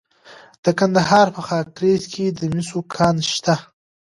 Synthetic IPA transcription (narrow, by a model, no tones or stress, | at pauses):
d̪̥əkand̪aɦɑɾpəxɑkɾezkʰed̪əmisokʰɑnʃt̪a